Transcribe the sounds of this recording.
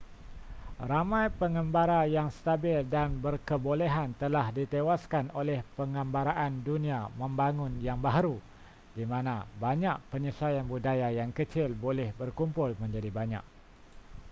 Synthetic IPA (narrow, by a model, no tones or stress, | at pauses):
ramãjpəŋəmbaɾajaŋst̪abɪldanbərkəboleɦant̪əlahdit̪ewaskanolɛhpəŋəmbaɾaʔandunĩamə̃mbaŋʊ̃njaŋbaɦaɾu | dimãnãbaɲaʔpəɲəsajanbudajajaŋkət͡ʃɪlbolɛhbərkumpʊlmə̃ɲd͡ʒadibaɲa̰k̚